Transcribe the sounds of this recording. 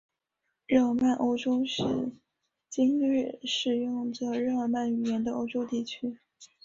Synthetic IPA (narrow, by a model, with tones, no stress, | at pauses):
ɻɤ˥˩ma˥˩nʔo˥ʊʈ͡ʂo˥ʊʂɻ̩˥˩ | t͡ɕi˥ŋɻɛ˥˩ʂɻ̩˨˩jʊ˥˩ŋʈ͡ʂə˨˩ɻɤ˥˩ə˧˩ma˥˩ny˨˩jɛ˧˥nd̪ə˧ʔo˥ʊʈ͡ʂo˥ʊt̪i˥˩t͡ɕʰy˥